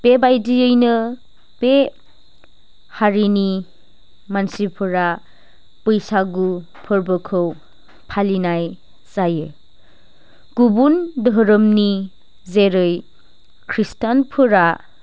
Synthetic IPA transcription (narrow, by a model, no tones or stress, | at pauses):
b̥ebajdiɯjnɯ | b̥e | haɾini | mansipʰɯɾa | pɯjsaɡu | pʰɯɾbɯkʰɯw | pʰalinaj | sajɯ | ɡ̥ubundəɦɾəmni | zeɾɯj | kʰɾistanpʰɯɾa